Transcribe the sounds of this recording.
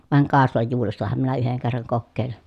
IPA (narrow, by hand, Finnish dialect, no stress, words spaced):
ʋɑˑeŋ kɑˑeslɑjːuːrestɑhɑm minæ yheŋ kerːɑŋ kokːeˑi̯lin